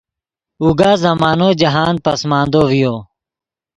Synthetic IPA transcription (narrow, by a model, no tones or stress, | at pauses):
uːɡaːzəmaːnoːd͡ʒəɦaːnpəsmãːnd̪oːʋɪjoː